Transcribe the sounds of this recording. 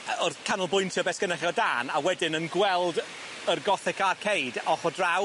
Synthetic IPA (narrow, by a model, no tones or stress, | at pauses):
ɔrkʰanəlˠbʊjntʰiɔbɛskənɛχjɔdaːnawɛdɪnənɡwɛlˠd | ərɡɔθɪkarkʰejdɔχɔdraw